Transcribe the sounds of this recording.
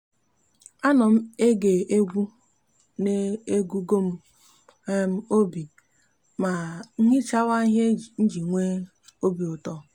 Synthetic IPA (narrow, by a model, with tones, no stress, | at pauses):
a˦nɔ˨m̩˦e˦ɡe˨ʔe˦ɡʷu˦ | ne˦e˦ɡu˦ɡo˦m̩˦ | m̩˦o˦bi˨ | ma˨ŋ̩˦ɦɪ˦t͡ʃa˦wa˦ɦe˦˨n̩˦d͡ʒi˨ŋʷe˦ | o˦bi˨o˨tɔ˦